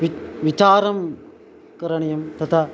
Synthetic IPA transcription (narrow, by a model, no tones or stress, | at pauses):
ʋit͡ʃaːɾɐm | kɐɾɐɳɐjɐmt̪ʰɐt̪ʰɐ